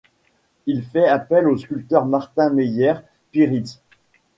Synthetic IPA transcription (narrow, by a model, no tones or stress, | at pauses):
ilfɛapɛloskʲylt̪œʁmaʁt̪ɛ̃mejɛʁ | piʁit̪